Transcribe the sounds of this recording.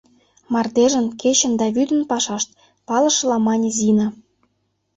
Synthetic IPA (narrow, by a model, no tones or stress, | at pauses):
mɑrd̪eʒə̆nket͡ɕə̆nd̪ɑβyd̪ə̆npɑʃɑʃt̪̚ | pɑlɤ̆ʃlɑmɑnʲzinɑ